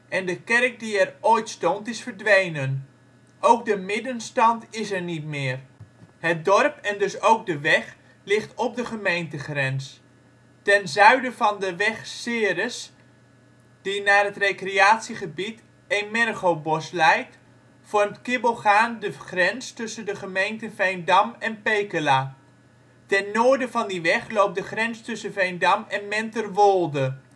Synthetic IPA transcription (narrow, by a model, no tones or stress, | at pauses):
ɛndəkɛrk̚diɛrojtstɔntɪsfərdʋejnən | ʔowk̚dəmɪdənstɑntɪsɛrnitmɪːərhət̚dɔrpɛndɵsowk̚dəʋɛχ | lɪχtɔp̚dəχəmejntəχrɛns | tɛnzœɥdəvɑndəʋɛχsɪːɾəs | d̥inaːrɦətrejkrejaːtsiχəbit | enmɛrχowbɔslɛjt | fɔɹmtkɪbolˠχaːndəχrɛnstɵsəndəχəmejntəvejndɑmɛnpejkəlaː | tɛnːʊːɹdəvɑndiʋɛχlowp̚dəχrɛnstɵsəvejndɑmɛnmɛntərʋɔlˠdə